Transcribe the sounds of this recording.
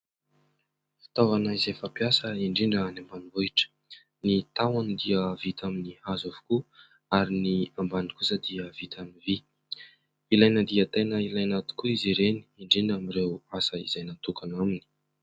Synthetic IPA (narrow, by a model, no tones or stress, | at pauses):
fi̥t̪avanaizefapjasəiɳɖ͡ʐiɳɖ͡ʐənambanimbuiʈ͡ʂə̥ | nit̪awanid̪iəvit̪aminihazovu̥ku | aɾiniambanikusəd̪iəv̥it̪amivi | ilajnəd̪iət̪ejnəilajnat̪u̥kuiziɾeni̥iɳɖ͡ʐiɳɖ͡ʐamiɾewasəizajnat̪ukanamini̥